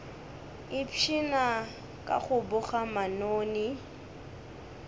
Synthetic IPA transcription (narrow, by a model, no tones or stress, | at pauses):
ɪpʰina | kʼa̰χʊbʊχamanoːnɪ